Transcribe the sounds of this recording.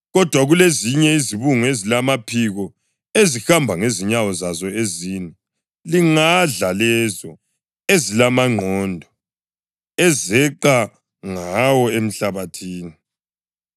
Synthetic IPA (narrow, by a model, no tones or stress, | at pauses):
ɣɔd̥ʱwaɣuleziɲɛiziβuŋezilamapʰiɣɔ | ezixambʱaŋeziɲawɔzazɔeziːnɛ | liŋaɮalɛzɔ | ezilamaŋ͡ǃʱɔndʱɔ | ɛzɛǃa | ŋawɔem̩ɬaβatʰiːni